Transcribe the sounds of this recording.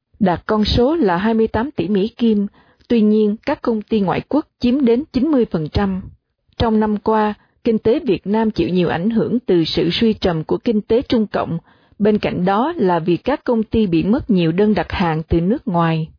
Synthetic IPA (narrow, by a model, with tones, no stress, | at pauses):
ɗaː˨˩t̚kɔ˧nso˨˦laː˨˩ɦaː˧jmɨ˧əjt̪aː˨˦mt̪ḭ˧˩mḭ˧˥ki˧m | t̪wi˧ɲi˧ənkaː˦˥kːə˧wŋ͡mt̪i˧ŋwa̰ː˧˨jku˦˥ək̚t͡ɕi˨˦əmɗe˨˦nt͡ɕi˨˦nmɨ˧əjfə˨˩nt͡ɕa˧m | t͡ɕɔ˧wŋ͡mna˧mkwaː˧ | kï˧ŋ̟t̪e˨˦vi˨˩ət̚naː˧mt͡ɕḭ˧˨wɲi˨˩əwʔa˧˩jŋ̟ɦɨ˧˩əŋt̪ɨ˨˩sɨ̰˧˨swi˧t͡ɕə˨˩mku˧˩əkï˧ŋ̟t̪e˨˦t͡ɕʊ˧ŋ͡mkə̰˧˨wŋ͡m | ɓe˧nka̰˧˨jŋ̟ɗɔ˨˦laː˨˩vi˨˩kːaː˦˥kːə˧wŋ͡mt̪i˧ɓḭ˧˨mə˦˥t̚ɲi˨˩əwɗəː˧nɗa˨˩t̚haː˨˩nt̪ɨ˨˩nɨ˦˥ək̚ŋwaː˨˩j